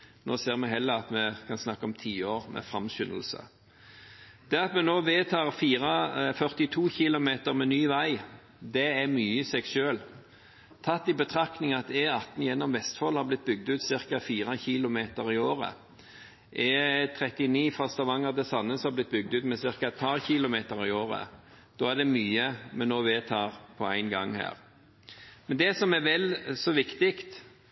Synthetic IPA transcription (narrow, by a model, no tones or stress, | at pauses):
noːseːʁmɛɦɛlːəɑt̪mɛkʰɑnsnɑkːəɔmt̪ʰiːoːʁmɛ̰fɾɑmɕʏnəl̩sə̰ | d̪̥ɛɑt̪mɛnoːʋeːt̪ʰɑːʁfiːʁɑfœʁt̪ɪt̪ʰuːçɪlʊmeːt̪əɾmɛnyːʋæɪ | d̪ɛæʁmyːəɪsɛɡʃøːl | t̪ʰɑt̪ːɪbət̪ʰʁɑknɪŋɑt̪ɛɑt̪n̩jɛnːɔmʋɛst̪fɔlhɑʁblɪt̪̚bʏɡ̚d̪ʉːt̪sɪʁkɑfiːʁəçɪlʊmeːt̪əɾɪoːɾə̰ | ʔɛt̪ʰɾɛt̪ɪniːfɑst̪ɑʋɑŋːəʁd̪ɛsɑnːəsɔhɑblɪt̪̚ːbʏɡ̚d̪ʉːt̪mɛsɪʁkɑɛt̪̚pʰɑɾçɪlʊmeːt̪əɾɪoːɾə̰ | d̪̥oːæɾd̪ɛmyːəmɛnːoːʋeːt̪ʰɑːʁpʰɔæɪnɡɑ̰ŋhæ̰ːʁ | mɛnd̪ɛsɔmæɾʋɛlsɔʋɪkt̪ɪkt̪